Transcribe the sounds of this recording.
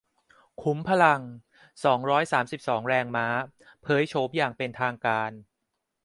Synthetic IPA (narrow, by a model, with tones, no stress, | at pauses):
kʰu˩˦mpʰa˧la˧ŋ | sɔː˩˦ŋɾɔː˦˥jsaː˩˦msi˨˩p̚sɔː˩˦ŋɾɛː˧ŋmaː˦˥pʰɤː˨˦˥jt͡ɕʰoː˦˥mjaː˨˩ŋpe˧nt̪ʰaː˧ŋkaː˧n